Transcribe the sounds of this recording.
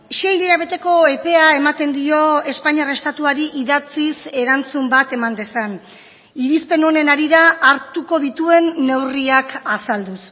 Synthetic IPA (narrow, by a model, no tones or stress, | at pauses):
ʃe̞jleɾaβ̞e̞t̪e̞ko̞e̞pe̞ae̞mat̪e̞nd̪io̞e̞spaɲiare̞st̪at̪uaɾiʔiðat͡sise̞ɾant͡sumbat̪e̞mand̪e̞san | iɾispe̞no̞ne̞naɾiɾaʔːɾt̪uko̞ðit̪ue̞nːe̞wriakasald̪us